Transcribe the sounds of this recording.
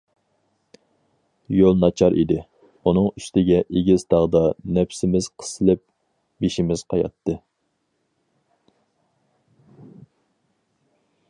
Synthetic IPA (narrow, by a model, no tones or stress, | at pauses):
jolˠnɑt͡ʃʰɑɾʔḭd̪ɪ | unɨŋyst̪ɪɡʲɛʔeɡʲizt̪ɑʁəd̪ɑnɛpsɪmɪz̥qʰə̥sɨlˠɪp̚ | beʃimɪz̥qʰɑjɑ̰t̪ʰːɨ